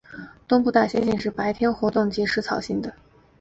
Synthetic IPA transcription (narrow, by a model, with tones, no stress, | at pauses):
t̪ʊ˥ŋpu˥˧t̪a˥˩ɕjɛ˥nɕjɛ˥˧nʂɻ̩˥˩pa˧˥ɪt̪ʰjɛ˥nxwɔ˧˥t̪ʊ˥˩ŋt͡ɕi˧˥ʂɻ̩˧˥t͡sʰɑ˨˩ʊɕi˥˩ŋd̪ə˩